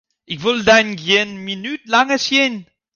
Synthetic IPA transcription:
ʔɪçvɪldaɪnɡeːnminyːt̚laŋəsjen

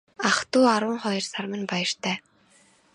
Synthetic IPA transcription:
aχt̪uːaɾwʊːɴχɔjɞ̆rsarmə̆npajə̆r̥t̪ʰæː

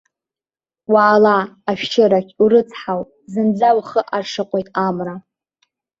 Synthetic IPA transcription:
waːlaːʃʃɪɾakʲuɾɨt͡sʰħaw | zɨnd͡zawχəʔaʂʰɨqʷʼojtʼamra

